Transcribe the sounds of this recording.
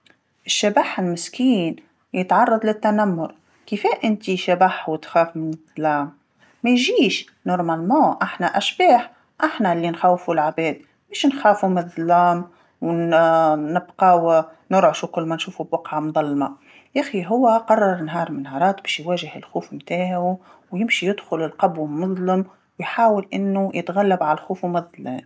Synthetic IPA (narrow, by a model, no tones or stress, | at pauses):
ʔɪʃːabaħɪlmɪskiːn | jɪt̪ʕɑrˤːɑd̪ˤlɪt̪ːanamːʊɾ | kɪfeːʔɪnt̪iʃabaħwɪt̪xaːfmɪnɪðˤlaːmː | æjʒiːʃ | nʊɾˤmalmoːʔaħnaʔaʃbaːħ | ʔaħnalːinxaːwfulʕabeːd̪ | meːʃnxaːfumðˤlaːm | w | nɪbqɑwnʊɾʕʊʃukʊlːmænʃuːfubwɑqʕamd̪ˤɑlːma | ʔaxiɦʊwːæqɑrˤːɑɾˤnɦɑːɾˤmɪnhɑːɾˤɑːt̪bɛːʃjwæːʒɪhɪlxuːfmt̪aːʕu | wjɪmʃijɪd̪xʊlɪlqɑbwmːʊðˤlɪm | wjħaːwɪlʔɪnːujɪt̪ɣalːabʕallxuːfumɑðˤlæːm